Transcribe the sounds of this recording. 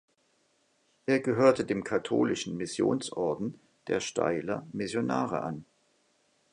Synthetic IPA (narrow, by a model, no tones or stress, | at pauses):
ʔeːɐɡəɦøːɐtədeːmkʰatʰo̰ːlɪʃn̩mɪsjo̰ːnsʔɔɐdn̩ | d̥eːɐʃtʰa̰ɪlɐ̰mɪsjona̰ːʁə̰ʔa̰n